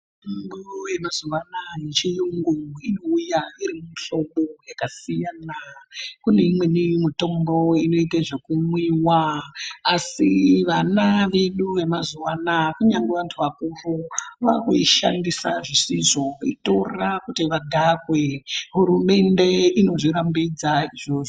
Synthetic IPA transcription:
umbuje̞mazuʋanajet͡ʃijuŋɡuino̞ujaiɾimuiɬo̞ɓojakasijanakune̞imwe̞nimito̞mbo̞ino̞itaʐekumwiwaː | siʋanaʋeɗuʋe̞mazuwanakuɲaŋɡeʋantʰuʋakuruʋakuiʃa̰ndisaʐisiʐo̞ḭto̞rakutiʋadʱakweɦuɾume̞nde̞ino̞ʐiɾambid͡zaiʐo̞ʐo

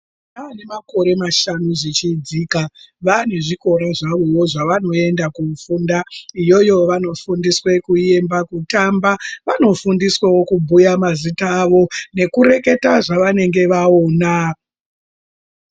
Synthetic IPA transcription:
aːne̞mako̞ɾe̞maʃanuʐit͡ʃiːd͡zikaʋane̞ʐiko̞ɾaʐaʋo̞woʐaʋano̞e̞ndakufundaijo̞jo̞ʋano̞fundiswe̞kuje̞mbakutambaʋano̞fundiswawo̞kubʱujamazitaːʋo̞ne̞kuɾe̞ke̞taʐaʋane̞ŋɡe̞ʋao̞ːna

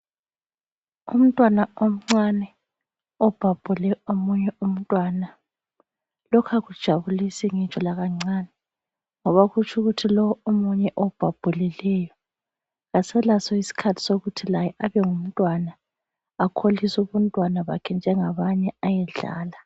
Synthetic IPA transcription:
ṵm̩tʼwanaom̩ŋ͡ǀanɛ | ɔb̥ʱab̥ʱulɛomuɲɛum̩tʼwana | lɔkʰaɣud̥ʒ̥ʱaβulisiŋi̥t͡ʃɔlaɣaŋ͡ǀanɛ | ŋɔβaɣut͡ʃʰʼuɣutʰilɔwɔomuɲɛʔob̥ʱab̥ʱulilɛjɔ | ɣasɛlasɔisi̥kʰatʰi̥soɣutʰilajɛʔaβɛŋum̩tʼwana | akʰolisuβuntʼwanaβakʰɛnd͡ʒʱɛŋaβaɲɛajɛɮa̰ːla

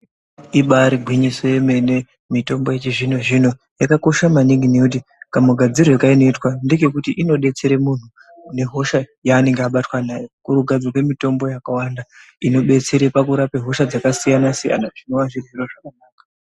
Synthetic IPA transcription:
iɓaɾiɡʱwiɲisojeme̞ne̞ | mito̞mbo̞jet͡ʃiʐinoʐino̞ | jakako̞ʃamaniŋɡineut̬ikamuɡʱad͡zirwekaino̞itwande̞ke̞kutiʔino̞ɓe̞t͡se̞ɾe̞mun̤u | ne̞ɦo̞ʃajaːne̞ŋɡeaɓatwanaːjekuɾuɡʱad͡zwakwe̞mito̞mbo̞jakawanda | ino̞ɓe̞t͡se̞ɾe̞pakuɾapeɦo̞ʃad͡zakasijanasija̰naʐinoʋaʐirʐiroʐakanaːka

